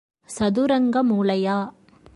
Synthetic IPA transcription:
sɐðuɾɐŋɡɐmuːlɐjaː

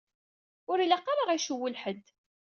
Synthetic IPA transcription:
ʊɾilæqːɑɾaʁæʃuwːəlħəd̪

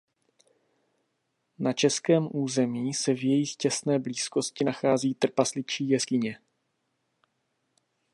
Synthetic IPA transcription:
nat͡ʃɛskɛːmʔuːzɛmiːsɛvjɛjɪxcɛsnɛːbliːsko̞scɪnaxaːziːt̪r̩paslɪt͡ʃiːjɛskɪɲɛ

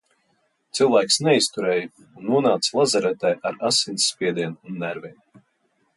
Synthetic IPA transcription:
t̪sɨlˠvæːksnɛist̪uɾɛːj | unːuɔnaːt̪slˠazaɾɛt̪ɛːʔaɾasinsːpʲiɛd̪iɛnunːæɾvʲin

